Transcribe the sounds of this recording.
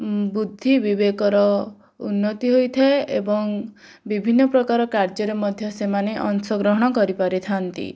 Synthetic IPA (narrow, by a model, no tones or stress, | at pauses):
bud̪ʱːibibekɔɾɔ | ṵnːɔt̪iɦojt̪ʰaeʔḛbɔŋ | bibʱinːɔpɾɔkaɾɔkaɾd͡ʒɔɾemɔd̪ʱjɔsemaneʔɔnsɔɡɾɔɦɔɽ̃ɔkɔɾipaɾit̪ʰant̪ḭ